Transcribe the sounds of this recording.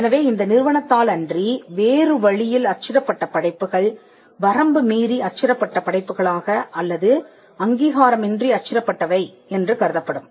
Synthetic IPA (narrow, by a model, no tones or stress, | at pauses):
ɛnɐʋeːɪnd̪ɐnɪɾɯʋɐɳɐt̪ːaːlɐndriʋeːrɯʋɐɻɪjɪlɐt͡ʃːɪɾɐpːɐʈːɐpɐɽɐɪpːɯɣɐɭ | ʋɐɾɐmbɯmiːɾiɐt͡ʃːɪɾɐpːɐʈːɐpɐɽɐɪpːɯɣɐɭaːɣɐʔɐlːɐðɯ | ɐŋɡiːɣaːɾɐmɛndriɐt͡ʃːɪɾɐpːɐʈːɐʋɐɪ | ɛndrɯkɐɾɯðɐpːɐɽɯm